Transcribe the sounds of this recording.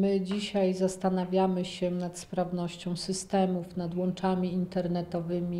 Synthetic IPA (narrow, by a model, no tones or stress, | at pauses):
mɘd͡ʑiɕajzast̪anavʲjamɘɕɛnat̪spɾavnɔɕt͡ɕɔ̃w̃sɘst̪ɛmufnad̪wɔnt͡ʂamʲiint̪ɛɾnɛt̪ɔvɘmʲi